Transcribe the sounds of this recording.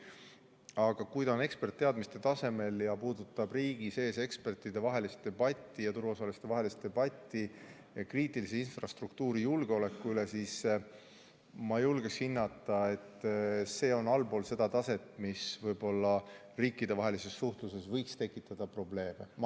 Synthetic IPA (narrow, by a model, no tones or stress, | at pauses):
ɑɡ̥ɑkujd̪ɑne̞kspert̪ːe̞ɑd̪mist̪e̞t̪ɑse̞me̞ljɑpuːd̪̥ut̪ːˑɑbriːɡ̥ise̞ːse̞kspe̞rt̪ˑid̪̥e̞vɑɦe̞list̪̚d̪e̞b̥ɑt̪ʲːˑijɑt̪uɾvɑsɑlist̪e̞vɑɦe̞list̪̚e̞bɑt̪ʲːˑi | jɑkriːt̪ːˑilis̬einfrɑst̪rukt̪uːɾijulɡ̥eo̞le̞kːuylesiːs | mɑjulɡ̥eshinːɑt̪ːˑɑe̞t̪ːse̞ːo̞nɑlbo̞ːlse̞d̪̥ɑt̪ɑse̞t̪ːˑmisvɤjb̥o̞lːɑ | riːkːˑid̪e̞vɑɦe̞lise̞sːuht̪luse̞svɤjkst̪e̞kːˑit̪ːˑɑd̪̥ɑpro̞ble̞ːme